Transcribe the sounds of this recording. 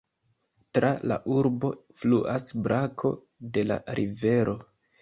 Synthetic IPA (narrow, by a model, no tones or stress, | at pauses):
tɾala̰ʔuɾbo̞ | fluʔasbɾʔakʰo̞̰ | de̞la̰ɾʔive̞ɾo̞